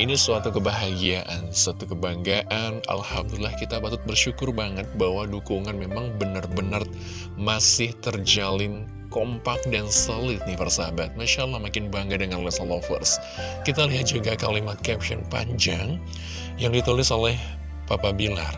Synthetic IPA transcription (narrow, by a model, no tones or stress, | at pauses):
inisuat̪ukəbaɦaɡiaʔansuat̪ukəbaŋɡaʔana̰lha̰mdulilːahkit̪apat̪ʊt̪̚bərʃukʊrbaŋət̪̚bahwadukuŋanmemaŋbənərbənər | masɪht̪ərd͡ʒalɪn | kompak̚dansəlɪt̪̚nifarsaabat̪̚maʃalːahmakɪnbaŋɡadəŋanlɛsalofə̰rs | kit̪aliɦat̪̚d͡ʒuɡakalimat̪̚kɛp̚ʃɔnpa̰ɲd͡ʒaŋ | jaŋdit̪ulɪsolɛh | papabila̰r